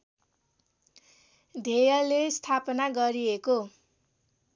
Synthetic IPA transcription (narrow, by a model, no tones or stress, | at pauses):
d̪ʱejʌlest̪ʰapʌnaɡʌɾieko